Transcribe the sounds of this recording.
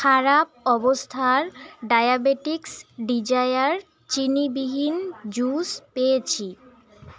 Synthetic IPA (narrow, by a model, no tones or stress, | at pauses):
kʰaɾap̚ɔbost̪ʰaɾɖajabeʈiksɖid͡ʑajaɾ | t͡ɕinibiɦind͡ʑuspejet͡ɕʰi